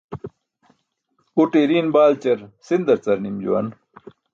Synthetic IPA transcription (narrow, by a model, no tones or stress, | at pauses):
uʈeɾiːnbaːlt͡ɕɐɾsind̪ɐɾt͡sɐɾnimd͡ʑṵwɐ̰n